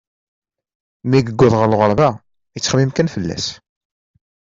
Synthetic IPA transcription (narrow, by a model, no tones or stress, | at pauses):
miɡəɡʷːʊðʁəɾlʁəɾˤvæ | ət͡sːχmimkænfəlːæ̰s